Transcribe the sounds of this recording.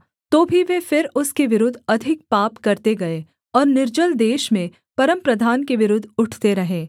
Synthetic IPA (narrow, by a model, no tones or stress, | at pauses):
t̪oːbʱiʋefɪɾʊskeʋɪɾʊd̪ʱːɐd̪ʱɪk̚paːpkɐɾt̪eɡɐeː | ɔːɾnɪɾd͡ʒəld̪eːʃmẽ | pɐɾə̃mpɾɐd̪ʱaːnkeʋɪɾʊd̪ʱːʊʈʰt̪eɾɐɦẽː